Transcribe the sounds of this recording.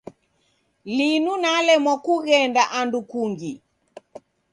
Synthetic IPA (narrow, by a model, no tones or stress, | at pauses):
linunalɛmwakuɣɛndaʔandukuŋɡi